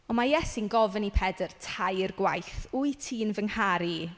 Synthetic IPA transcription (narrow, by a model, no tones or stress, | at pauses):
ɔmajɛsinɡɔvənipʰɛdərtʰajrɡwajθujtʰiːnvəŋhaɾi